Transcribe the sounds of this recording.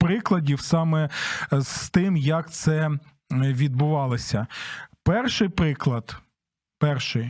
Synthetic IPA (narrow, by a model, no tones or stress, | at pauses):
pɾɪklˠɐdʲiwsɑmɛz̥t̪ɪmjɐkt̪sɛ | ʋʲid̪̚bʊʋɑlˠɔsʲɐpɛrʃɪjpɾɪklˠɐd̪ | pɛrʃɪj